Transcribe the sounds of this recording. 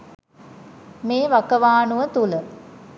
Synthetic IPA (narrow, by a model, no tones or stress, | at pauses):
meːʋakəʋaːnuʋət̪ulə